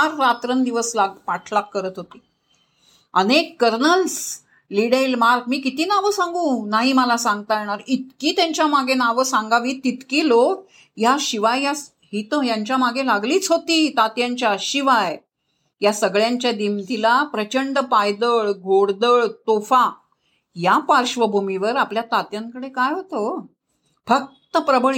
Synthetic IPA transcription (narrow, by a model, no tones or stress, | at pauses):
aɾːat̪ɾənd̪iʋəslaɡpaʈʰlakːəɾət̪ɦot̪iː | ənekːəɾnəls | liɽelmaɾk̚miːkit̪iːnaʋəsãŋɡũːnaɦiməlasãŋɡt̪ajɳ̃aɾit̪kiːt̪jãɲt͡ɕjamaɡenaʋəsãŋɡaʋiːt̪it̪kiːlok | jaɕiʋajjas | ɦit̪ojaɲt͡ɕjamaɡelaɡliːt͡sɦot̪iːt̪at̪jãɲt͡ɕjaɕiʋaj | jasəɡɭjaɲt͡ɕjad̪imt̪ilapɾət͡ɕəɳɖəpajd̪əɭɡoɽd̪əɭt̪ofa | japaɾɕʋəbʱumiʋəɾapljat̪at̪jãŋkəɽekajɦot̪o | fək̚t̪əpɾəbəɭ